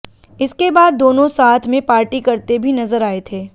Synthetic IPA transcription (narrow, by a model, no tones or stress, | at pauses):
ɪskebaːd̪ːoːnõsaːt̪ʰmẽpaːɾʈikɐɾt̪ebʱinɐzəɾaːet̪ʰeː